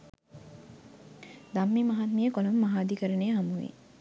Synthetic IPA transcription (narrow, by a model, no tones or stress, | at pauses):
d̪amːimaɦat̪mijəkolomːaɦaːd̪ikəɾənejɦamuʋḭ